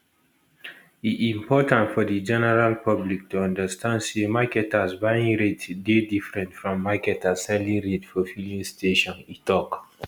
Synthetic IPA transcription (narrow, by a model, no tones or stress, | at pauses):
iʔĩmpɔtãntfɔdid͡ʒɛnɛɹalpʰʌblik̚tuãndəstʰãndsemakɛtasbaĩŋɹetdedifɹɛ̃ntfɹɔ̃mːakɛtasɛliɹetfɔfilĩstʰeʃɔ̃nitʰɔk